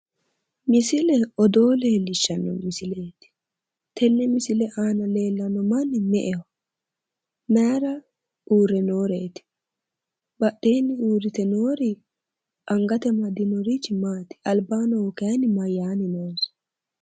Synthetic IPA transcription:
mɪsɪlɛɔd̪o̞ːle̞ːlːɪʃːɐnːɔ̰mɪsɪleːt̪ɪ̥ | t̪ʰɛnːɛmɪsɪlɛʔaːnɐle̞ːlːɐnːɔmɐnːɪmɛʔɛwɐ | mɛɾɐ | uːɾɛno̞ːɾeːt̪ɪ̥ | bɐɗeːnːɪuːɾɪt̪ɛno̞ːɾɪ | ɐŋɡɐt̪ɛmɐd̪ɪnɔɾit͡ʃːɪmaːt̪ɪ̥ɐlbaːnɔɔkɛɐnɪmɐjːaːnɪnoːs

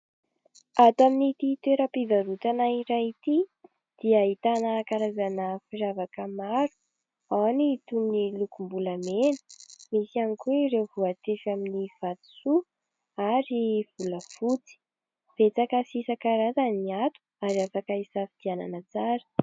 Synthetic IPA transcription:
at̪aminit̪it̪weɾəpivaɾut̪anaiɾait̪i | d̪̥iaɦit̪anəkaɾazanəfiɾavakəmaɾu̥ | awnit̪unnilukumbulamenə̥misianikueɾewvuat̪efaminiv̥at̪i̥su | aɾiv̥uləfut͡si̥ | v̥et͡sakasisakaɾazaniat̪u̥aɾiafakaisafid̪̥iana̰nət͡saɾə̥

